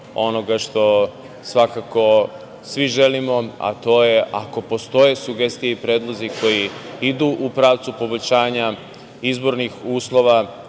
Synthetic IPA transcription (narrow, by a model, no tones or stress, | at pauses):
o̞noɡaʃt̪o̞ | sʋakako̞ | sʋiʒe̞limo̞a̰t̪o̞ːje̞ʔa̰ko̞po̞st̪o̞je̞suɡe̞st̪ijeipɾe̞ːd̪lˠo̞ziko̞jiid̪uːʔupɾaːʋt̪supo̞bo̞ʎʲɕaːɲa | izbo̞ɾnixuːslˠo̞ʋa